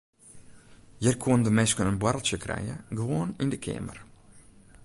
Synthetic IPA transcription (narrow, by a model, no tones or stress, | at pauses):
jərkʰundəmɛskənənbwarlˠtjəkʰrɛ̰jəɡəʋoːənindəkʰɪ̰ːmə̰r